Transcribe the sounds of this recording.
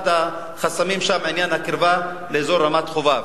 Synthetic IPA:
t̪a | χasamimʃamʕinjanhakiɾva | leːzo̞ɾːamat̪χovav

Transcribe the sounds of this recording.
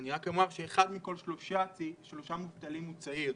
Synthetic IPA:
niʁakomaʁʃeːχad̪miko̞lʃloʃat͡siʃlo̞ʃamuvt̪alimːut͡sai

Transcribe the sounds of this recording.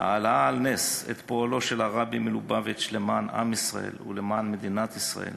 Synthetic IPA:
ha̰ːlaaːlnesḛt̪poalo̞ʃelaʁabimelubavetʃlemana̰misʁa̰ʔḛlṵlemanmed̪inat̪isʁa̰ʔe̞̰l

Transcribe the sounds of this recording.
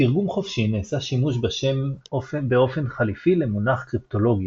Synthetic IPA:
tiʁɡumχofʃineːsaʃimuʃbeʃe̞mofbeo̞fe̞nχalifile̞munaχkʁipto̞lo̞ɡja

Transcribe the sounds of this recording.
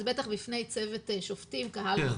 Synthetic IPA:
bet̪aχbifnejt͡sevet̪ʃoftimkahal

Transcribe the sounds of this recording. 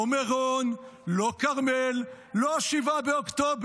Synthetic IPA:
omeʁonlokaʁmelː | oaʃivabeokt̪ob

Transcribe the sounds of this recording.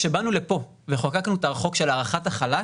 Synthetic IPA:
ʃebanulepo̞ | veχokaknuet̪aʁaχo̞kʃe̞laʁaχataχala

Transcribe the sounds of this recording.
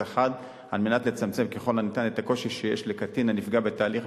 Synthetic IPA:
eχad | alme̞natle̞t͡samt͡se̞mkeχo̞lanit̪anet̪ako̞ʃiʃejeʃlekatinanifɡabe̞taːliχ

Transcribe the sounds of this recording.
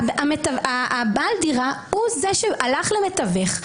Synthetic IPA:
amet̪avabaldiʁauzeʃealaχlemet̪aveχ

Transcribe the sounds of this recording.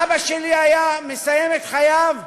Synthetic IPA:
baʃeliajame̞sajemet̪χajav

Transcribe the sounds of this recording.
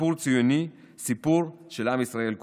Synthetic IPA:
uʁt͡sijoni | sipuʁ | ʃelamisʁae̞lk

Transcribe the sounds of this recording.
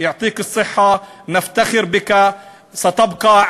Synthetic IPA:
jʊʕt̪ˤiːkɨsˤːɨħːanɪft̪axɪɾbɪka | sat̪ɪbqɑ

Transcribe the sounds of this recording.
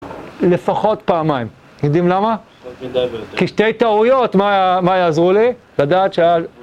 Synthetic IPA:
lefaχo̞t̪paːmaim | jodimlama | kiʃte̞jt̪aujo̞t̪majmajaːzʁuli | ladaːt̪ʃeaja

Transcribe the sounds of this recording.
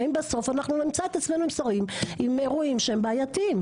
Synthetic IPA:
imbeso̞fanaχnunimt͡soet̪at͡sme̞nuimsaʁimimeʁuimʃehembaajat̪im

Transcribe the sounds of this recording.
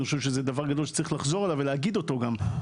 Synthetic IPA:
iχoʃevʃezed̪avaʁɡad̪olʃe̥t͡saɐʁiχlaχzo̞ʁalaveleaɡid̪o̞t̪o̞ɡam

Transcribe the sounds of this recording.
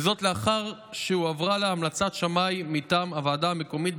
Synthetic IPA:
zo̞t̪leaχaʁʃeuavʁaleamlat͡sat̪ʃamajmitaːmavaːdameko̞mit̚

